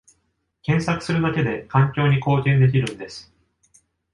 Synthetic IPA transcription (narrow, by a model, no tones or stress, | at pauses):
kẽ̞ɰ̃sakɯ̟̥sɨɾɯ̟d̪ake̞d̪e̞kãŋkʲo̞ːɲ̟iko̞ːt̪ʲẽ̞nd̪e̞k̬ʲiɾɯ̟̃nd̪e̞sɨ̥